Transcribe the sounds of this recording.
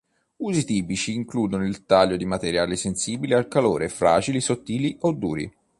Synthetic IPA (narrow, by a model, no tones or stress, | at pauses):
uːzit̪iːpit͡ʃiːŋkluːd̪onoilt̪aʎːod̪imat̪eɾjaːlisensiːbilealkaloːɾefɾa̰ːd͡ʒilisot̪ːiːliʔod̪ːuːɾḭ